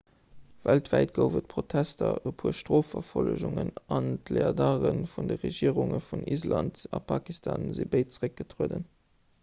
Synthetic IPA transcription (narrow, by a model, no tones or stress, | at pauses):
væltv̥æɪt̚ɡəʊvət̚pʰʁotʰæstɐəpʰhuəʃtʁoːfɐfoləʒʊŋənɑntleɑdɑːʁənfundəʁeʒiːəʁuŋəfunʔizlɑntɑpʰɑːkistʰɑːnzibəɪt̚t͡səʁək̚ɡ̥ətʰʁuədən